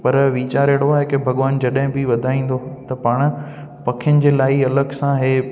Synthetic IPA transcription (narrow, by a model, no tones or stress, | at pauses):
pɐɾʋiːt͡ɕaːɾeːɽoaːɦekebʱɐɠʋaːnd͡ʑɐɗɦɪ̃bɪʋɐd̪ʱaːĩːn̆d̪ot̪ɐpaːɽ̃ʊ̆ | pɐkʰɪjənɪ̆d͡ʑeːlaːiɐləɡsãɦeː